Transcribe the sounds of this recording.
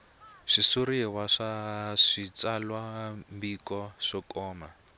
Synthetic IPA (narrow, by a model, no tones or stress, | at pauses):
ʂisuɾiɛwaʂaʂit͡salwambikɔʂɔkɔːma